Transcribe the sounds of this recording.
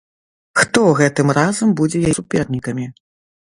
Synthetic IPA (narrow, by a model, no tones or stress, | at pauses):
xt̪ɔɣɛt̪ɨmrazɐmbud͡zʲɛjasupʲɛrnʲikɐmʲi